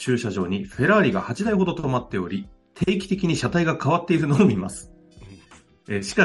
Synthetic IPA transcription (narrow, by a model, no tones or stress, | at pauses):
t͡ɕɨːɕaʑo̞ːɲ̟iɸe̞ɾaːɾʲiɡa̰hat͡ɕid̪aiho̞d̪o̞t̪o̞mat̪ːe̞o̞ɾʲi | t̪ʰeːkʲi̥t̪e̞kʲiɲ̟iɕat̪aiɡakʰaβat̪ːe̞iɾɯno̞ːmʲima̰sɨ̥ | eɕi̥ka